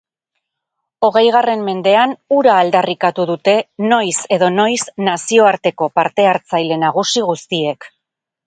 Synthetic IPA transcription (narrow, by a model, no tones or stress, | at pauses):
o̞ɣ̞e̞jɣ̞are̞mme̞nd̪e̞anuɾaːld̪arikat̪uðut̪e̞no̞jse̞ðo̞no̞jsnasio̞aɾt̪e̞ko̞paɾt̪e̞aɾt͡sajle̞naɣ̞usiɣust̪ie̞k